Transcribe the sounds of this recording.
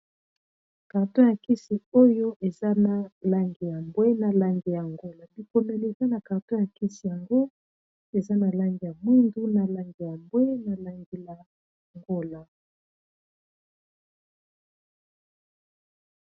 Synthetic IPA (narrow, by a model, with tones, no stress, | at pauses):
ka˨ʁto˦ja˨ki˦si˨o˦jo˦ʔe˨za˦na˨la˦ŋɡi˨ja˨mbwe˦na˨la˨ŋɡe˨ja˨ŋɡo˦la˨bi˨ko˨ne˨li˨e˨za˦na˨ka˨ʁto˦ja˨ki˦si˨ja˨ŋɡo˦ | e˨za˦na˨la˦ŋɡi˨ja˨mwi˦ndu˦na˨la˦ŋɡe˨ja˨mbwe˦na˨la˨ŋɡi˨la˨ | ŋɡo˦la˨